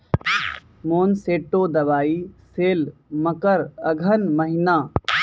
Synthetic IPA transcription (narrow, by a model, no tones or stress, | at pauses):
moːnseːʈːoːd̪ɐʋaːiːseːlmɐkəɾɐɡʱənmɐɦɪnaː